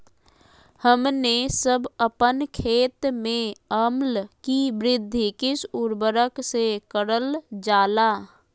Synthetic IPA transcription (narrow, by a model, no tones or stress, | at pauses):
həmnesəbəpənkʰeːt̪mẽəmlkibɾɪd̪ʱːikɪsʊɾbəɾəksekəɾəld͡ʒaːla